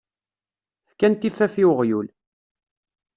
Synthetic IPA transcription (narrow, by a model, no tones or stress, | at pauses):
fkænt̪ifæfiwʁjul